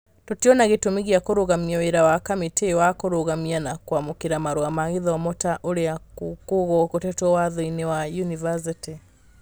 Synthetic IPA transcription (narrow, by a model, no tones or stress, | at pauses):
totiɔnaɣetomiɣiakoɾoɣamiaweɾawakamitewakoɾoɣamianakwamokeɾamaɾoamaɣeðɔmɔtaʔoɾeakoɣɔkotɛtwɔwaðɔinewajunivas̬iti